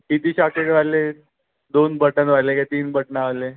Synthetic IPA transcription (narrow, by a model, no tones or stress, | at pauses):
ɦit̪iːɕakeɽʋale | d̪onbəʈənʋajleket̪iːnbəʈnaːle